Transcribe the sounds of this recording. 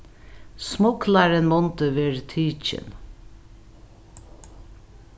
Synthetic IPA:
smʊklɑɾənmɔnt̪əʋeːɹt̪ʰyːc͡çə̰n

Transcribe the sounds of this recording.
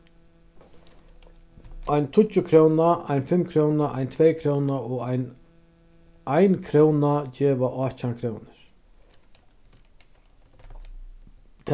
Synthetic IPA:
ʔajnt̪ʰʊt͡ʃːʊkʰɾownaajnfɪmːkʰɾownaʔajnt̪ʰvɛjkʰɾownaɔajn | ajnkʰɾoːwnad͡ʒɛːvaʔɔht͡ɕankʰɾownɪɾ̥ | t̪ʰ

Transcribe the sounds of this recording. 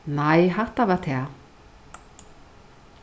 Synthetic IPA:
najɦaht̪avaɾt̪ʰɛː

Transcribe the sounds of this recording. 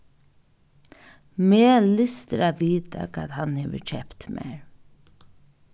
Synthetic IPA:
meːlɪst̪ɾaʋiːt̪a̰kʰaːðhanhɛːʋə̰t͡ʃɛpt̪mɛ̰ɹ

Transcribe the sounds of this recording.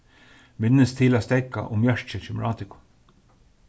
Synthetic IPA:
mɪnːəst̪ʰɪlaːst̪ɛka̰ʔʊmjaʂt͡ʃət͡ʃɪmɹaːt̪ɪkʊ̥

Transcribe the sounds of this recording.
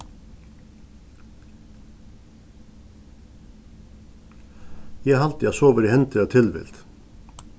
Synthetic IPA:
jæhɑlt̪jɛsoːʋəɾɪhɛnt̪ʰɪɑt̪ʰɪlʋɪ̰lt̪

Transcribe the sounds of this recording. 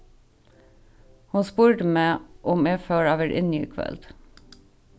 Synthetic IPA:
hʊnspuːɹʈəmeːʔʊmeːføːɹɑːʋæɾʔɪ̰njyːkʰʋœ̰lt̪

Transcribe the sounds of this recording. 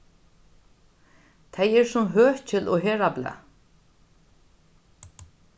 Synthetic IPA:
t̪ʰejɛɾsʊmɦœːht͡ɕʰɪlɔɦɛːɾabla̰

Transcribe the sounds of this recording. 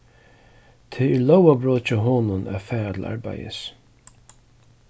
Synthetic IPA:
t̪ʰɛɛɾlɔwabɾoːt͡ʃaɦɔːnʊnʔa̰fɛːɹat̪ʰɪla̰ɹba̰jɪ̰s

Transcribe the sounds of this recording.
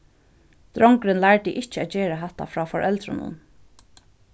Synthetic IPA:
d̪̥ɾɔŋkɾɪnlæɹt̪ɪʔɪht͡ʃɪæːt̪̚d͡ʒeːɾaɦɛt̪a̰fɹɑːfɔɹʔɛlt̪ɾʊ̰nʊ̰n

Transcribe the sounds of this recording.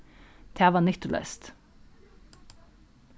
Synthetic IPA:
t̪ʰæːʋɑnʏt̪ʊlʔœ̰st̪

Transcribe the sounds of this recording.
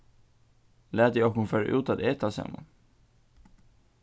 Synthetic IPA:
læːt̪ɛɔkhʊnføːɾa̰ʔʉːt̪at̪eːt̪ʰɑsɛ̰mːə̰n

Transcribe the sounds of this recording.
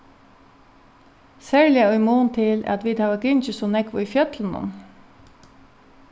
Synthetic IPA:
sæːɹlɪaœjmuːnt̪ʰɪlæ̰t̪ʋiːd̪haːʋaɡɪnt͡ʃəsɔnɛkʋʊifjœt̪lənʊ̰n

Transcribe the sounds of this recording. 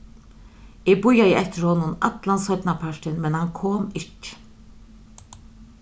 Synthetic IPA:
ebʊjajəɛht̪ɪɾhɔnːʊna̰t̪lanshœt̪napʰaʂʈɪnmɛnhankʰoːmɪcː

